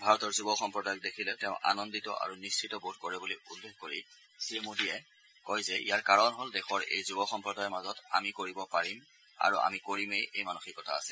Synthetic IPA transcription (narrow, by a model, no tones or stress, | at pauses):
bʱaɹɔtɔɹzubɔxɔmpɹɔdajɔk̚dekʰilɛtɛʊ̃ʔa̰nɔnditɔ̰ʔa̰ɹunisʰitɔbod̚koɹɛbuliulːexkoɹḭ | siemudijɛ | kɔjzɛʔḭjaɹkaɹɔnɦɔldɛxɔɹḛjzubɔxɔmpɹɔdajɛmazɔta̰mikoɹibɔpaɹim | a̰ɹuʔa̰mikoɹimejejmanuxikːɔtʰa̰ːsɛl